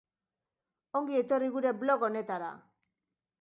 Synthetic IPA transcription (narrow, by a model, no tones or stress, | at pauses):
o̞ŋɡiet̪o̞riɣuɾe̞blo̞kone̞t̪aɾa̰